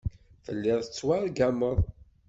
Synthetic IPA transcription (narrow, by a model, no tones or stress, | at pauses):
θəlːɪðˤət͡sːwaɾˤɡæməðˤ